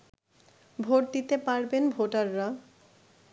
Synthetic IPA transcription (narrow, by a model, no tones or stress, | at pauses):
bʱoʈ̚d̪it̪epaɾbenbʱoʈaɾːa